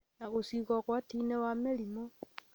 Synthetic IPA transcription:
naɣosiɣoɣwatinewamelimo

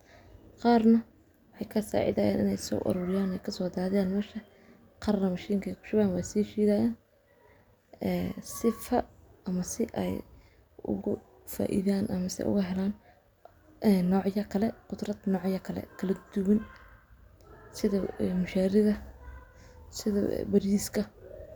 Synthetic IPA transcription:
qɑːrnɐ | wɑħɑjkʰɐsa̰ːʕɪ̰d̪ɐja̰ːnɪ̰nɛjsɔ̰ːʔɔ̰ɾʊːɾɪjaːnɛjkʰɐsɔːd̪aːðaːnmɛːʃɐ | qɑɾnɐmɐʃiːŋkʰɐjkʰʊ̥ʃʊɣaːnwɑːsiːt͡ʃiːðaːjaːn | ɛːsɪfɐɐmɐsɪʔɛ̰j | ʊ̰ɣʊ | fa̰ːʔɪ̰ðaːnʔɐmɐsɪ̰ʔʊ̰ɣʊɦɛlaːn | ʔɛːnːɔːʕjɐkʰɐlɛqʊd̪rɐd̪nɔːʕjɐkʰɐlɛ̰kʰɐlɐd̪ʊwɐn | sɪðɐɛmʊʃaːɾɪðɐ | sɪðɐ̰bɐɾiːskʰɐ

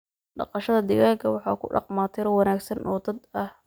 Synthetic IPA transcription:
ɖɑ̰qɑʃɐðɐd̪ɪɣaːlkʰɐwɑħɑ̰ːkʰʊ̰ɖɑ̰qmaːt̪ʰɪɾɔwɑnaːɡsɐnʔɔ̰ːd̪ɐd̪ɐh

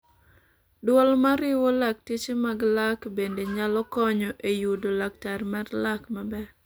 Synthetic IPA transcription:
dwɔlmaɾɪwɔlak̚tit͡ʃemaɡlakbendeɲalɔkɔɲɔʔejudolak̚taɾmatlakmabɛ

